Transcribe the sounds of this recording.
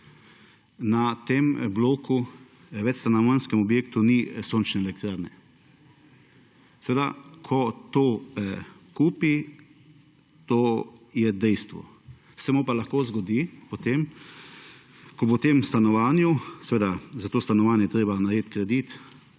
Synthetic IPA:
nat̪embloːku | ʋɛt͡ʃst̪anɔʋanskɛmɔbjeːkt̪unisoːnt͡ʃnɛːlɛk̚t̪ɾaːɾnɛ | sɛʋeːd̪a̰kʰɔt̪oː | kuːpi | t̪oːjɛd̪ɛjst̪ʋɔ̰ | sɛmupalaxkoːzɡɔd̪ipɔt̪em | kɔbot̪emst̪anɔʋaːnjusɛʋeːd̪azat̪oːst̪anɔʋaːnjɛjɛt̪ɾeːbanaɾjeːt̪kɾɛd̪it̪

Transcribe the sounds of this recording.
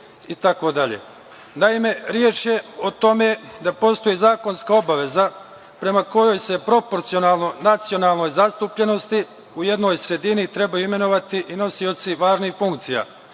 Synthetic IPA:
it̪ako̞d̪aʎḛ | naime̞ɾjeːt͡ʃjeo̞t̪o̞me̞d̪apo̞st̪o̞jizaːko̞nskao̞baʋe̞za | pɾe̞mako̞jo̞jse̞pɾo̞po̞ɾt̪sio̞naːlˠno̞nat̪sio̞naːlˠno̞jzast̪uːpʎe̞no̞st̪i | uje̞d̪no̞ːjsɾe̞d̪init̪ɾe̞bajuime̞no̞ʋat̪iʔino̞sio̞t̪siʋaːʒnixfuŋkt̪sija̰ː

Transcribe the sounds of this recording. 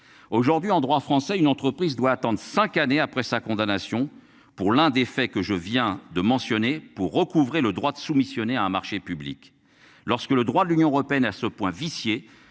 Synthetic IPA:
oʒuʁd̪ɥiɑ̃d̪ʁwafχɑ̃sɛynɑ̃t̪χəpχizd̪waːt̪ɑ̃d̪ʁəsɛ̃kaneapχɛsakɔ̃d̪anasjɔ̃ | puʁlɛ̃d̪efɛkəʒəvjɛ̃d̪əmɑ̃sjɔnepuʁːəkuvʁeləd̪ʁwad̪əsumisjɔneaɛ̃maʁʃepyblḭk | lɔʁskələd̪ʁwad̪əlynjɔ̃əʁɔpeɛnasəpwɛ̃visje

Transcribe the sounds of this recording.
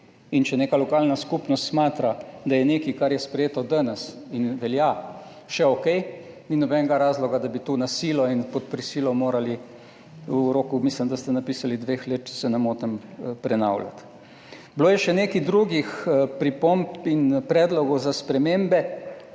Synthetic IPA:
int͡ʃɛneːkalɔkaːlnaskupnɔst̪smaːt̪ɾad̪ajɛneːkikaɾjɛspɾɛjeːt̪ɔd̪ənɛsinʋɛlja | ʃɛokɛj | ninɔbɛŋɡaɾaːzlɔɡad̪abit̪uːnasiːlɔinpɔt̪̚pɾisilɔmoːɾali | uɾoːkumislimd̪ast̪ɛnapisalid̪ʋeːxlet̪̚t͡ʃɛ̥sɛnamoːt̪ɛmpɾɛna̰wla̰t̪ | bloːjɛʃɛneːkid̪ɾuɡixpɾipompinpɾɛːd̪lɔɡɔwzaspɾɛmembɛ

